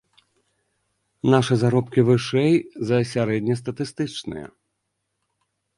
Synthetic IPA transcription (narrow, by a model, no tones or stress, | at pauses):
naʂɨzaɾɔpkʲivɨʂɛjzɐsʲaɾɛd̪ʲnʲɐst̪ɐt̪ɨst̪ɨt͡ʂnɨ̰jɐ̰